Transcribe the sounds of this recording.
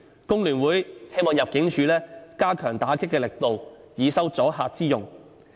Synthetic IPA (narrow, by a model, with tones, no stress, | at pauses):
kʊ˥ŋlyː˨˩nwuː˨˥jhe˥jmɔː˨ŋjɐ˨p̚kɪ˨˥ŋt͡ʃʰyː˨˧lɛː˥kaː˥kʰœː˨˩ŋt̪aː˨˥kʰɪ˥kːɛː˧lɪ˨k̚t̪o˨w | jiː˨˧sɐ˥wt͡sɔː˨˥ɦaː˧t̚t͡siː˥jʊ˨˩ŋ